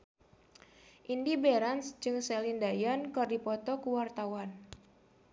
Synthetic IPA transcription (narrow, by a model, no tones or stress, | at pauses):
ʔindibeɾansd͡ʒɨŋsɛlindajɔnkɔrdipɔt̪ɔkuwart̪awan